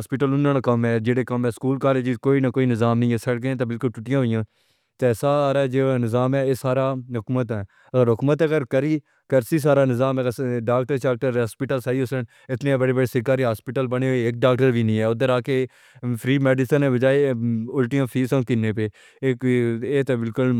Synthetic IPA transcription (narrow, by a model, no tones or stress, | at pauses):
ɦaːspɪʈəlʊnːãːnãkəmɦɛːd͡ʒeːɽeːkəmɛːskuːlkaːleːd͡ʒɪzkoːiːnakoːiːnɪzaːmnəĩːɛːsəɽɡəẽːt̪aːbɪlkʊlt͡ʃʊʈɪjãːɦoɪjãː | t̪ɛːsaːɾad͡ʒeːnɪzaːmɛːeːsaːɾaːɦʊkmət̪ɛː | əɡəɾɦʊkmət̪ːɡəɾkəɾiː | kəɾsiːs̬aːɾaːnɪzaːməɡəɾɖaːk̚ʈəɾt͡ʃaːk̚ʈəɾaːspɪʈəlsaːiːʊsən | ɪt̪nẽːbəɽeːbəɽeːsɪkaːɾiːɦaːspɪːʈəlbəneoeek̚ɖaːk̚ʈəɾʋiːnĩːɛːʊd̪əɾaːke | pʰɾiːmɛːɖɪsənẽːbəd͡ʒaːeʊlʈijãːpʰiːsə̃mkɪneːpeː | kːeːt̪ebɪlkʊl